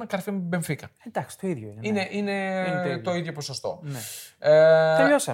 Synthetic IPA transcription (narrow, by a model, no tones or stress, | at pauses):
nɐkɐɾfimbeɱfikɐed̪ɐksi̥t̪oiðʝoinineʔine̞t̪o̞iðʝo̞posost̪o̞̰neeosɐ